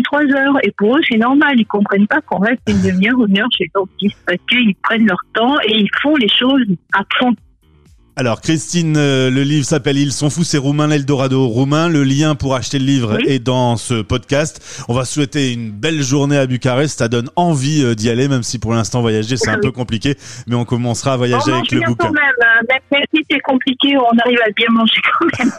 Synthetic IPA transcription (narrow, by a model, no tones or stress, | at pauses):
t̪χwazœːʁepuʁøsɛnɔʁmalilkɔ̃pχɛnpakɔ̃ʁɛst̪ynd̪əmjœʁomœʁʃeɡɔ̃fispasə̥kəilpχɛnlœʁt̪ɑ̃eilfɔ̃leʃozapχɑ̃ | alɔʁkχist̪inøləlivʁsapɛlilsɔ̃fusɛʁumɛ̃lɛld̪ɔʁad̪oʁumɛ̃ləljɛ̃puʁaʃt̪eləlivʁed̪ɑ̃səpɔd̪kast̪ | ɔ̃vaswɛt̪eynbɛlʒuʁneabykʲaʁɛssad̪ɔnɑ̃vid̪ialemɛmsipuʁlɛ̃st̪ɑ̃vwajaʒesɛt̪ɛ̃pøkɔ̃plikʲemɛɔ̃kɔmɑ̃sχaːvwajaʒeavɛklə̃bukmɛmmɛmmɛmsisɛkɔ̃plikʲeɔ̃naʁivabjɛ̃mɑ̃ʒekʰɑ̃mɛm